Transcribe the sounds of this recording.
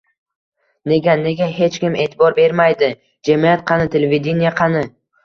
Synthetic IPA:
ne̞ɡʲane̞ɡʲaɦe̞t͡ʃkʲɪme̞ːt̪ʰɪbɒɾbe̞ɾmajd̪ɪ | d͡ʒamijat̪̚qʰɑnɪt̪ʰe̞leved̪ʲenijaqʰɑnɪ

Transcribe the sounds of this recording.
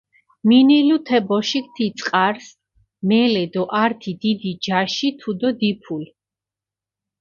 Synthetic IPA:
minilut̪ʰɛbɔʃik̚ʰt̪ʰit̪sʼqʼaɾs | mɛlɛd̪ɔʔaɾt̪ʰid̪id̪id͡ʒaʃit̪ʰud̪ɔd̪ipʰul

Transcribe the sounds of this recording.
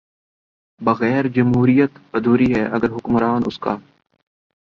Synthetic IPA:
bɐɣɛːɾd͡ʒɐmɦuːɾijət̪bɐd̪ʱuːɾiɦɛːʔɐɡəɾɦʊkmɾaːnʊ̰skaː

